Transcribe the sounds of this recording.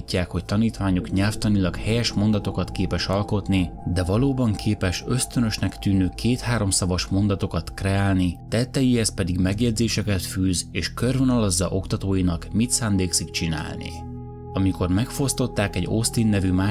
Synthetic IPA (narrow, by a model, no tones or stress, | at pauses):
icːaːkho̞ct̪ɒniːt̪ʋaːɲukɲɛlft̪ɒnilɒkhɛjɛʃmo̞nd̪ɒt̪o̞kɒt̪keːpɛʃɒlko̞t̪nid̪ɛvɒloːbɒŋkʰeːpɛʃøst̪ø̞nø̞ʃnɛkt̪yːnøːkʰeːt̪haːɾo̞msɒvɒʃmo̞nd̪ɒt̪o̞kɒt̪krɛaːlnit̪ɛt̪ːɛjihɛs̚pɛd̪iɡmɛɡjɛd̪zeːʃɛkɛt̪fyːzeːʃkørvonɒlɒzːɒ̰ʔo̞kt̪ɒt̪oːjinɒkmit̪sand̪eːksik̚t͡ʃina̰ːlnḭ | ɒmiko̞rmɛkfo̞st̪o̞t̪ːaːkɛɟo̞st̪inːɛvymaː